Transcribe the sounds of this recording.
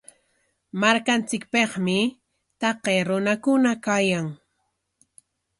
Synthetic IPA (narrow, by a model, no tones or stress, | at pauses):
maɾkant͡sɪkpeχmɪ | t̪ɑqeːɾʊnakʊnakajaŋ